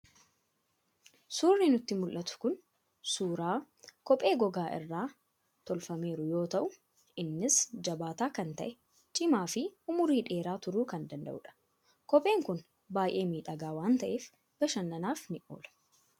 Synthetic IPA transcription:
suːrnɪnʊt̪ːɪmʊlʔɐt̪ʊ̥kʊn | suːɾaː | kɔpʼːe̞ːɡɔɡaːʔɪ̰rːaː | t̪ɔlfɐme̞ːɾʊjo̞ːt̪ɐʔʊ | ɪnːɪsd͡ʒɐbaːt̪aːkɐnt̪ɐ̰ʔɛ | t͡ʃʼɪmaːfɪʊmʊɾiːᶑe̞ːɾaːt̪ʊɾuːkɐnd̪ɐnd̪ɐ̰ʔʊᶑɐ̥ | kɔpʼe̞ːŋkʊn | baːjʔe̞ːmiːᶑɐɡaːwaːnt̪ɐʔeːf | b̥ɐʃɐnːɐnaːfnɪʔoːlɐ̥

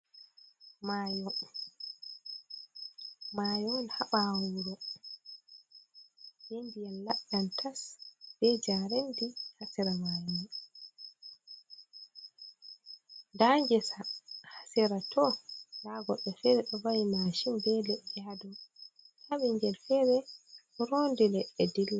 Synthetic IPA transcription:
majɔ | maːjɔnhaɓawuɾɔ | jenbijanlaɗantʰasb̥ɛd͡ʒaɾendihasɛɾamaːjnɛ | daŋd͡ʒɛsahasiɾatʰɔlaɡɔɗːɔfɛɾɛɗɔbajimaʃimbɛlɛd͡ʒadɔ | haɓiɲɡɛlfɛɾɛ | ɾondilɛɛdilːa

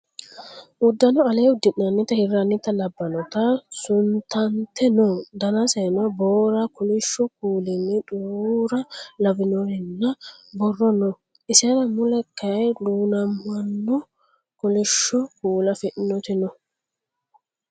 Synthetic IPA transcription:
ʔʊd̪ːɐnɔɐleːʊd̪ːɪnːɐnːɪt̪ɐhɪɾanːɪt̪ɐlɐbːɐnɔt̪asʊnt̪ɐnt̪ɛnɔd̪ɐnɐseːnɔboːɾɐkʊlɪʃːɔk̚uːlɪnːɪᶑuɾɐlɐbɪnɔhɛnːɐbɔrːɔnɔ | ɪseɾɐmʊlɛkːɐɛluːnɐmːɐnːɔ | kʊlɪʃːɔkuːlɐfɪʔnɔt̪ɪnɔ

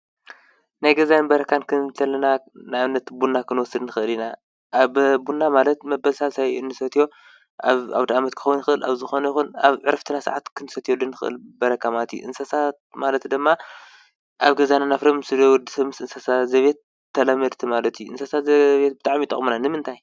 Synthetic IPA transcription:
najɡɐzajnbɐɾɐkʰankʰɨnt̪ʰɐlɐna | najaβnːɐt̪bunːakʰɨnwɔsɨd̪nɨxɨʔɨlina | ʔaβbunːamalɐt̪mɐbɐlsalsajɨnːɨsɐt̪ʰijo̞ | ʔaβa̰βd̪ɐamɐt̪kʰɨxɐwunɨxɨʔɨlʔa̰βzɨxo̞nɐjixunaβʕɨɾɐft̪ʰɨnasa̰ʕat̪kʰɨnɨsɐt̪ʰijod̪ɨnːɨxɨʔɨ̰lbɐɾɐkʰːamalɐt̪jṵʔɨnsasat̪malɐt̪d̪ɨmːa | ʔaβɡɐzananafɾɐmɨsɨd̪owd̪isɐβmɨsɨnsasazɐβet̪ʰː | ɐlɐmɐd̪t̪ʰɨmalɐt̪ʰijuʔɨ̰nsɐsazɐβet̪̚bɨt̪ʼaʕmit̪ʼɐ̰χʼmunanɨmɨnt̪ʰaj

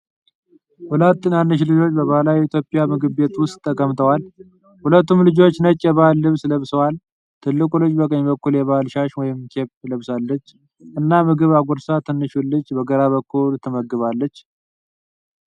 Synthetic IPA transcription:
hulət̪ːɨnjanːɨʃ̬lɨd͡ʒo̞t͡ʃːbəβalawit̪ʰjopʼjamɨɡɨβbe̞t̪wʊst̪ʼːəkʼːəmt̪ʰəwal | hulət̪ːumlɨd͡ʒo̞t͡ʃːnət͡ʃʼːjɛβalːɨβsləβsəwal | t̪ʰɨlːɨkʼulɨd͡ʒbəkʼəɲːbəkːuljɛβalʃaʃwɔjɪmkʰepləβsalːət͡ʃː | ʔɨnːamɨɡɨβaɡʷɔɾsat̪ʰɨnːɨʃulːɨt͡ʃːbəɡəɾaβəkːult̪ʰɨməɡːɨβalːət͡ʃː

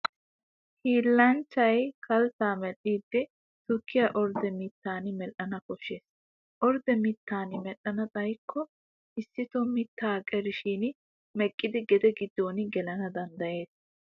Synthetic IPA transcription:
hiːlːɐnt͡ʃːɐjkʰɐlsaːmɛlːiːd̪ːɪ | t̪ʊkːɪjaʔɔɾd̪ɛmɪt̪ːaːnɪmɛlɐnɐkɔʃːeːs | ʔɔɾd̪ɛmɪt̪ːaːnɪmɛʔɐnɐt͡sʼɐjkʰːɔ | ʔɪsːɪt̪ɔmɪt̪ːaːkʼɛɾɪʃiːn | mɛkʼːɪd̪ɪɡɛd̪ɛɡɪd̪ːoːnɪɡɛlɐnɐd̪ɐnd̪ɐjeːs

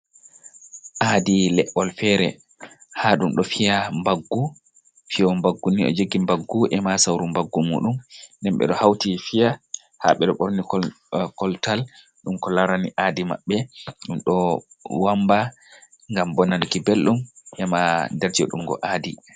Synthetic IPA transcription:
ʔaːdilɛʔɔlfɛɾɛ | haɗumɗɔfijambaɡːu | fiɔmbaɡːuniɔ̰d͡ʒoɡːimbaɡːuʔɛmasawɾumbaɡːumṵːɗumndɛmɓɛ̰ɗɔhawtifija | ha̰ɓɛɗɔɓoɾnik | kɔltal | ɗumkɔlaɾaniʔaːdima̰ɓːɛɗumɗɔ | wamba | ŋɡambɔnanikibelɗumʔɛmadɛɾd͡ʒiɔ̰ɗumɡɔ̰ʔaːdi

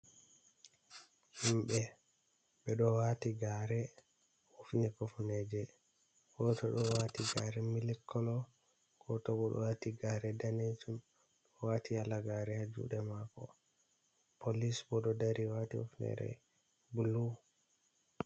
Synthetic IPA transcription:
himɓɛ | ɓɛɗɔwatiɡaɾɛ | ufnɛkofnɛd͡ʒɛ | ɡɔtɔɗɔwatiɡaɾɛmilɛkʰːɔlɔ | ɡ̥ɔtɔbɔɗɔ̰watiɡaɾɛdaned͡ʒum | ɗɔɔwaːtʰialaɡaɾɛhad͡ʒṵɗɛmakɔ̰ | polisbɔɗɔdaɾiwatḭṵfnɛ̰ɾɛ̰ | bulu

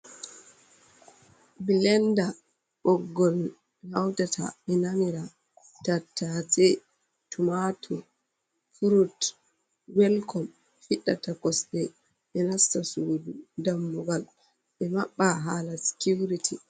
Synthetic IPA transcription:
bilɛnda | ɓɔɡːɔl | hawtatʰa̰ɓɛnamiɾa | tatːatɛ | tumatʰɔ | fuɾut | wɛlkɔm | fiɗːatakɔsɗɛ | ɓɛnastasoːdudamːuɡal | ɓɛmaɓːaɦaːlasi̥kuwɾitʰi

